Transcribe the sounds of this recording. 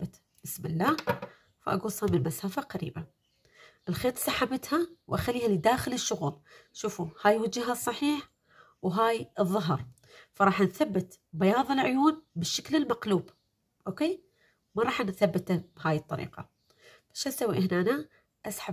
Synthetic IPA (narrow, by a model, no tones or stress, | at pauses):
bɪt̪ | b̥ɪsmɪlːaː | fa̰ʔa̰ɡuːsˤhamɪnmasaːfaqaɾḭːba | ʔɪlxeːt̪ˤsˤɑħabɪt̪hawʔaxalːiːhalid̪aːxɪlɪʃːʊɣuːlʃuːfuhaːjwad͡ʒːaɦasˤːɑħiːħ | wɦaːjɨðˤːɑɦɑɾˤ | fɑɾˤɑːħnθabːɪt̪ | bajɑːðˤɨlʕʊjuːnbɪʃːaklɪlmaqluːb | ʔoːkeː | mɑɾˤɑːħnθabːɪt̪ab̥haːjɨt̪ˤːɑ̰ɾḭːqɑ̰ | b̥aʃhasawːiʔɪhnaːna | ʔasħa